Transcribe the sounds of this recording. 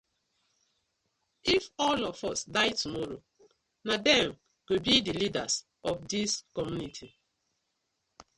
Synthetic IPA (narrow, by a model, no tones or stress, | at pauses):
ifɔlɔfɔsdaɪtumɔɹo̰ | nadɛ̃m | ɡebidilidas | ʔɔfdiskɔmjunitʰi